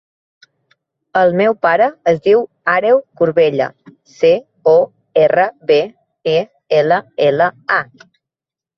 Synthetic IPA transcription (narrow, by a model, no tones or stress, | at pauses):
əlˠmɛwpaɾəːzdiw | aɾewkuɾβeʎə̰ | se | o | erəβe | e | eləeləa